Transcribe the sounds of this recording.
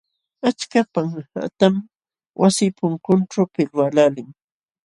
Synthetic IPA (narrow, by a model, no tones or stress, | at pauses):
at͡ʃkapaŋa̰t̪am | wʔasɪpʊŋkʊnʈ͡ʂapɪlwalalɪŋ